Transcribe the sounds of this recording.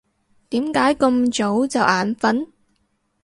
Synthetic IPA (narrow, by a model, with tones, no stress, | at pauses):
t̪iː˨˥mkaː˨˥jkɵ˧mt͡ʃo˨˥wt͡sɐ˨wʔaː˨˥nfɐ˨˥n